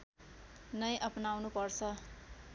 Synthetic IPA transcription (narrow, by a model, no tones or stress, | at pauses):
nʌjʔʌpnawnupʌrt͡sʰʌ